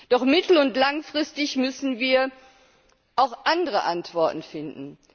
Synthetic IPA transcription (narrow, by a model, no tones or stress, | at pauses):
d̥ɔχmɪtl̩ʊntlaŋfʁ̥ɪstɪçmʏsn̩viːɐ | ʔaʊxʔandəʁəʔantv̥ɔɐtn̩fɪndn̩